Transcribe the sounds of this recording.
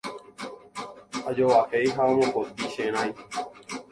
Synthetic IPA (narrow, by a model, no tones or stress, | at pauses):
ə̰ʄoːʋaːkeːiːɦaːmõːkoːt̪̚iːʃeːnaːiː